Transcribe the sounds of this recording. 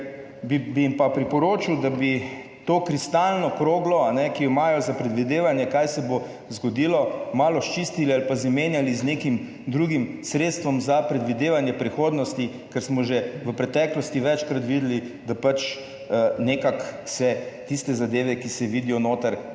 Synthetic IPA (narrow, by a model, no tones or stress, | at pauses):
bibimpapɾipɔɾoːt͡ʃiwd̪abi | t̪okɾist̪alnɔkɾoːɡlɔanɛkijɔimajɔzapɾɛd̪ʋid̪eːʋanjɛkajsɛbo | zɡɔd̪ilɔmaːlɔʃt͡ʃiːst̪ilialpazameːnjaliznekim | d̪ɾuɡimsɾet̪st̪ʋɔmzapɾɛd̪ʋid̪eːʋanjɛpɾixoːd̪nɔst̪i | kɛɾsmɔʒeʋəpɾɛt̪ɛklɔst̪iʋɛt͡ʃkɾat̪ʋiːd̪əlid̪apat͡ʃ | neːkaksɛt̪ist̪ɛzad̪eːʋɛkisɛʋiːd̪ijɔnoːt̪əɾ